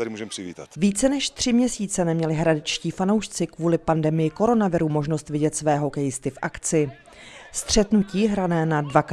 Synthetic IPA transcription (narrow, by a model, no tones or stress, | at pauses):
dɪmuːʒɛmpr̥ɪvḭːt̪at̪viːt͡sɛnɛʃt̪r̝̥ɪmɲɛsiːt͡sɛnɛmɲɛlɪɦɾadɪt͡ʃciːfano̞wʃt͡sɪkvuːlɪpandɛmɪjɪko̞ɾo̞navɪɾuːmo̞ʒno̞st̪vɪɟɛt̪svɛːɦo̞kɛjɪst̪ɪfʔakt͡sɪ | st̪r̝̥ɛt̪nuciːɦɾanɛːnadvak